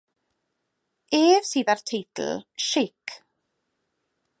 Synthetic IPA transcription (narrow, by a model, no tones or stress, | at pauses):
eːv̥siːðartʰɪjtʰl̩ʃɪkʰ